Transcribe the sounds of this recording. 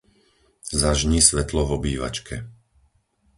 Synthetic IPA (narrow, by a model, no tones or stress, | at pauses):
zaʒɲisʋɛt̪lɔvɔbiːʋa̰t͡ʃkʰɛ